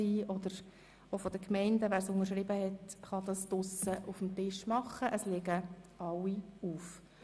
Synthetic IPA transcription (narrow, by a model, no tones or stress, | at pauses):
iːʔɔd̪əɾ | ofɔd̥̪əkmɛɪndəʋæːɾsʊnəʃ̬ʁɪbəhɛtχɑd̪ɑsd̥̪ʊsəʔufm̩tɪʃmɑχːəʔəslɛɡəʔɑwiuːf